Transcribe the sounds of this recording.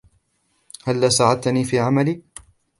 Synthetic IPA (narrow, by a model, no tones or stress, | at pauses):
halːaːsaʕad̪̚t̪aniːfiːʕamaliː